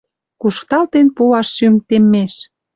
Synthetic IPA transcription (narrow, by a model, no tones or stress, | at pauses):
kuʃkt̪ɑlt̪enpuɑʃːymt̪emːeʃ